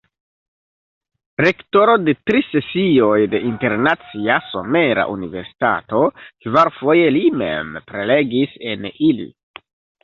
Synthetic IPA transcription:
ɾe̞kto̞ɾo̞de̞tɾise̞sio̞jde̞ʔinte̞ɾnat͡siaso̞̰me̞ɾa̰ʔṵnive̞ɾsi̥ta̰to̞kvaɾfo̞je̞limḛmpɾe̞le̞ɡise̞nilḭ

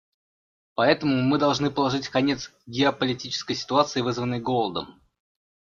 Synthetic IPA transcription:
pɐɛt̪əmʊmɨd̪ɐlˠʐnɨpəlˠɐʐɨtʲkɐnʲe̞t̪sɡʲɪəpəlʲɪtʲit͡ɕɪ̥skəjsʲɪ̥t̪ʊat̪sɨɪvɨzvənːəjɡolˠəd̪ə̰m

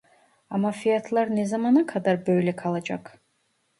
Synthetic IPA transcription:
amafiat̪ʰlˠaɾnɛzamanakʰad̪aɾbøjlɛkʰalˠad͡ʒa̰kʰ

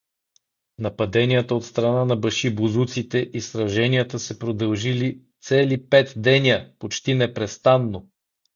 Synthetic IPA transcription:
nɐpɐd̪ɛniət̪əot̪st̪ɾɐnanɐbɐʃibuzut̪sit̪ɛʔisɾɐʒɛniət̪əsɛpɾod̪ɐlˠʒilit̪sɛlipɛt̪d̪ɛnʲəpot͡ʃt̪inɛpɾɛst̪anːo

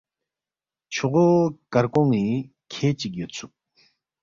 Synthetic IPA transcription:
t͡ɕʰoχokarkoŋːi | kʰet͡ɕək̚jət͡sʰuk̚

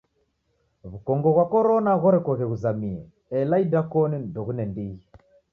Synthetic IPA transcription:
βukɔŋɡɔɣwakɔɾɔnaɣɔɾɛkɔɣɛɣuzamiɛ | ɛlaidakɔnindɔɣunɛndiɣi

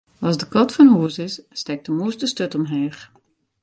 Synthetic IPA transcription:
ɑzdəkɔtfɔnhuəsɪsːtɛk̚təmuəsdəstøtɔmɦɛːx

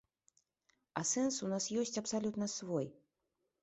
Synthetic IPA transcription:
ɐsɛnsunasjɔsʲt͡sʲɐpsalʲut̪nɐsvɔj

